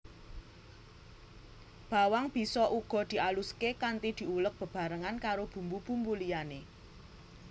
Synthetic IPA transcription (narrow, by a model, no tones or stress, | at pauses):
b̥a̤waŋb̥i̤sɔʔuɡ̥ɔ̤d̪̥i̤ʔaluskekant̪id̪̥i̤ulək̚b̥ə̤b̥a̤ɾəŋankaɾob̥ṳmbub̥ṳmbulijane